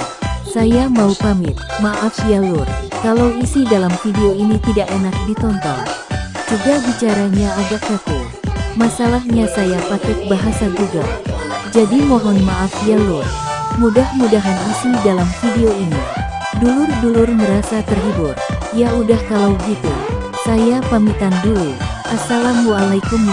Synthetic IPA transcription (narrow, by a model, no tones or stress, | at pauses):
sajamaupamɪt̪̚maʔafjalurkalawisidalamfideoinit̪idaʔenak̚dit̪ɔnt̪ɔ̰ŋd͡ʒuɡabit͡ʃaɾaɲaːɡak̚ɔk̪u | masalahɲasajapakɛk̚baɦasad͡ʒuɡa̰d͡ʒadimɔɦɔnmaʔafjalʊrmudahmudaɦanisidalamfideoini | dulʊrdulʊrməɾasat̪ərɦibʊt̪̚ | jaudahkalawbəɡit̪ṵ | sajapamit̪andulu | ʔasalamualajkum